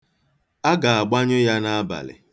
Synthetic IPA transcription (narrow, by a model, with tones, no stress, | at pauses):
a˦ɡa˨a˨ɡ͡ba˦ɲʊ˦ja˦na˦a˦ba̰˨lɪ̰˨